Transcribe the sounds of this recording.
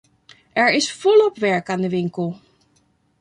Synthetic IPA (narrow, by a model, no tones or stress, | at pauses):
ʔɛɹɪsfɔlɔpʋɛɹkaːndəʋɪŋkəlˠ